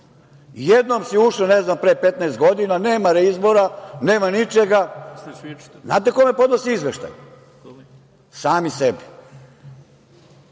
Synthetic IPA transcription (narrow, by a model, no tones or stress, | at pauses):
jed̪nomsiuʃloneznampɾeːpet̪naest̪̚ɡo̞d̪inane̞ːmaɾeizboɾaneːmanit͡ʃeɡa | zna̰ːt̪ekomepo̞d̪nosiizʋeʃt̪a̰ju | saːmisebi